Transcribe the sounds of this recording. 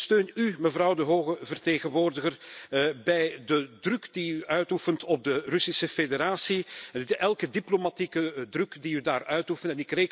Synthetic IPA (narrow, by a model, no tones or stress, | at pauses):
støːnyməvrɑwdəɦoːɣəvərteːɣənʋoːrdəɣərbɛjdədrɵkdiyʔœɥtufəntɔb̚dərɵsisəfedeɾaːsiɛlˠkədiplomatikədrɵkdiydaːrœɥtufəntɛnɪkreːk